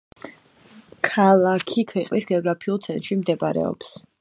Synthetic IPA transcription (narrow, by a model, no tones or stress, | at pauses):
kʰalˠakʰikʰwɛqʼvisɡɛɔɡɾapʰiulˠt̪sʰɛnt̪ɾʃimd̪ɛbɾɛ̰ɔ̰ps